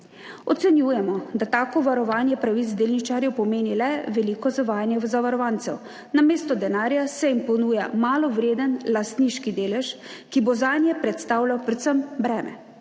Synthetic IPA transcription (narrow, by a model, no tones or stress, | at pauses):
ɔt̪sɛnjuːjɛmɔd̪at̪aːkɔʋaɾɔʋaːnjɛpɾaʋizd̪eːlnit͡ʃaːɾjɛwpɔmeːnilɛʋɛliːkɔzaʋaːjanjɛzaʋaɾɔʋaːnt̪sɛw | nameːst̪ɔd̪ɛnaːɾjasɛimpɔnuːjamaːlɔʋɾeːd̪ənlast̪niʃkid̪eːlɛʃkibozanjɛpɾɛt̪st̪aːwlawpɾɛt̪səmbɾɛːmɛ̰